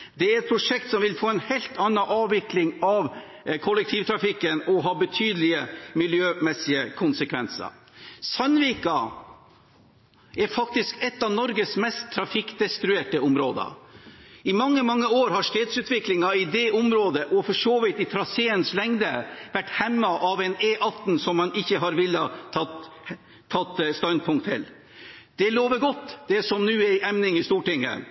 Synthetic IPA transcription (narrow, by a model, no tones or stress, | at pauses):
d̪ɛæɾɛt̪̚pʰɾʊʂɛkt̪sɔmʋɪlfoːɛnhɛlt̪ɑnːɑʔɑːʋʋɪklɪŋɑʋ | kʰʊlɛk̚t̪ʰiːʋt̪ʰɾɑfɪkːənɔɦɑːbət̪ʰyːd̪əlɪəmɪljøːmɛsɪəkʰʊnsəkʰʋɛnsə̰ɾ | sœnʋiːkɑ | ɛɾfɑk̚t̪ɪskɛt̪ːɑʋnɔɾɡəsmɛst̪ʰːɾɑfɪkd̪ɛst̪ɾʉeːʈəʊmɾoːd̪ə̰ | ɪmɑŋːəmɑŋːəoːɾhɑʂʈeːt̪sʉːt̪ʋɪklɪŋɑɪd̪ɛʔʊmɾoːd̪əʔɔfɔʂoːʋɪt̪ɪt̪ʰɾɑseːənslɛŋd̪əʋæʈːhɛmːɑʔɑʋɛneːʔɑt̪n̩sɔmːɑnɪçːəɦɑɾʋɪlːəɑt̪ʰː | ɑt̪ːst̪ɑnd̪̚pʰʊŋkt̪ʰɪ̰l | d̪̥ɛloːʋəɡɔt̪ːd̪̥ɛsɔmnʉːæɪʔɛmnɪŋɪst̪uːʈɪŋːə̰